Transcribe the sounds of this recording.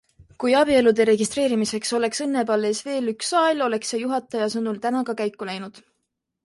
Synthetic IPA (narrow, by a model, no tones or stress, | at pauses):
kujɑbie̞lud̪e̞ɾe̞ɡist̪re̞ːɾimise̞kso̞le̞ksɤnːe̞bɑlːeːsve̞ːlyksːɑelo̞le̞ksejuɦɑt̪ːˑɑjɑsɤnult̪ænɑkɑkæjkːˑulæjnud̪̥